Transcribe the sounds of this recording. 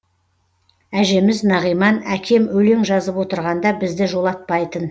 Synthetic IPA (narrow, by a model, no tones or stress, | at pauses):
æʒe̞mɪznɑʁijmɑnækʲʰe̞mɵle̞ŋʒɑzəpwo̞t̪əɾʁɑnd̪ɑbɪzd̪ɪʒo̞lˠɑt̪̚pɑjt̪ən